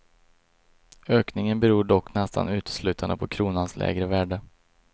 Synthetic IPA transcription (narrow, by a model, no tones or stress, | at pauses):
øːknɪŋənbɛɾuːɖɔkːnɛst̪a̰nʉ̟ːt̪ə̥slʉ̟ːt̪ʰand̪əpʰɔkʰɾuːnanslʔɛ̰ːɡɾəvæːɖə